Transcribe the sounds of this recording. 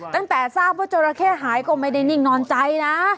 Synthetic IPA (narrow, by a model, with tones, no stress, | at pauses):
t̪a˥˩ŋt̪ɛː˨˩saː˥˩p̚waː˥˩t͡ɕoː˧ɾa˧kʰɛː˥˩ɦaː˩˦jkɔː˥˩ma˥˩jda˥˩jni˥˩ŋnɔː˧nt͡ɕa˧jna˦˥